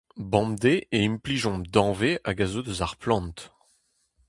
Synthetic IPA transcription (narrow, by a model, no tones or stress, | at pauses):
bɑ̃md̪eʔeimpliʒɔ̃md̪ɑ̃veʔaɡazod̪øzaʁplɑ̃nt̪